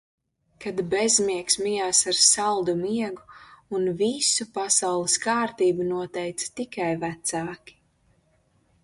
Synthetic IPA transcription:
kad̪bezmiɛksmijaːsaɾsalˠd̪umiɛɡuunvisupasawlˠɨskaːɾt̪iːbunuɔt̪ɛjt̪sḁt̪ikajvæt̪saːkʲi̥

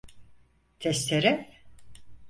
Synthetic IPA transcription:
t̪ʰɛst̪ʰeɾɛ

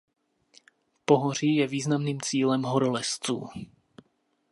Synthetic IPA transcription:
poɦor̝ijɛviːznamniːmt͡siːlɛmɦoɾolɛst͡sṵː

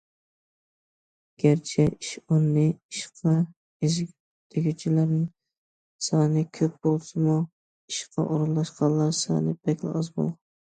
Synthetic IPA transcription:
ɡ̥ʲæɾt͡ʃʰɛiʃʊnːɪiʃqʰɑ | ezʲ | d̪̥ʰɪɡʲit͡ʃʰilæɾnɪŋ | sɑːnɪkʲʰøp̚b̥olˠsɨmu | iʃqʰɑ̰ʔoɾɨllˠɑʃqʰɑnˠlːˠɑɾsɑ̰nɪbɛkʲlɪ̰ɑzbo̰lˠ

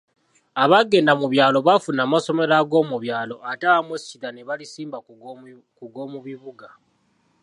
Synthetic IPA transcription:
aβaɡe̞namuβjaːlo̞βafunaːmaso̞me̞ɾaɡo̞ːmuβjaːlo̞ʔataamwescitaneβalisiːmba | kuɡo̞ːmuβiβuɡa

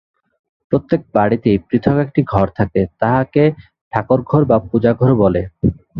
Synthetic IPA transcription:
pɾot̪ːek̚baɽit̪ejpɾit̪ʰokek̚ʈiɡʱɔɾt̪ʰaket̪aɦake | ɖʰakoɾɡʱɔɾbap̚ud͡ʑaɡʱɔɾbɔle

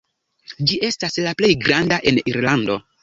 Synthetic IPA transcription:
d͡ʒie̞staslaple̞jɡɾandaʔe̞niɾlando̞̰

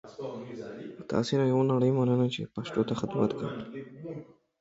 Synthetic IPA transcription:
t̪ɑ̰senajawanaɽəjmanənat͡ʃepaʃt̪ot̪axɪd̪mat̪ka̰wi

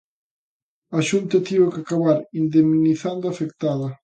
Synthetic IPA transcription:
aʃunt̪ɐt̪iβakakaβaɾind̪eminiθand̪oafekt̪aðɐ

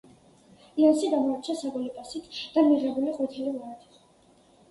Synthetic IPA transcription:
lansid̪amɔaɾt͡ʃʰasabɔlipʼasit̪ʰd̪̥amiʁɛbuliqʼɔt̪ʰililaɾd̪i

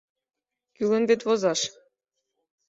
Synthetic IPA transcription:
kylə̆nβet̪βozɑʃ

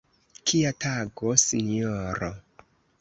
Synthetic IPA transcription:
kʰiataɡosinioɾo

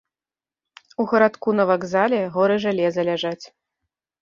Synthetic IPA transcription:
uɣɐɾat̪kunɐvaɡzalʲɛɣɔɾɨʐalʲɛzɐlʲaʐat͡sʲ

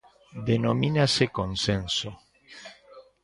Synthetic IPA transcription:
d̪enominasekonsenso

